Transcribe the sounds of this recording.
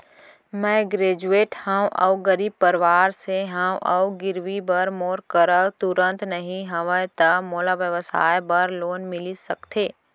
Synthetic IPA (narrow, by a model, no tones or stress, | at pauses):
mɛ̃ɡɾeːd͡ʒueːʈhãw̃ʔɐ̰wɡəɾiːb̚pəɾʋaːɾseɦãwʔɐ̰wɡɪɾʋibəɾmoːɾkəɾət̪ʊɾə̃nt̪nɐɦĩɦɐʋə̃t̪ɐmoːlaʋjəʋəsa̰ːjbɐɾloːnmɪlisɐkt̪ʰeː